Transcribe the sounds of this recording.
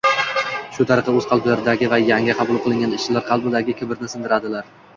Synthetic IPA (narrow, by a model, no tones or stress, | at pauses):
ʃʊt̪ʰaɾɨqɨɵz̥qʰɑlˠblaɾɪd̪aɡʲɪvajaŋʲɪqʰɑbʊlˠqʰɨlˠɪŋʲanɪʃt͡ʃɪlaɾqʰɑlˠbɪd̪aɡʲɪkʲʰɪbɪɾnɪsɪnd̪ɪɾad̪ɪlaɾ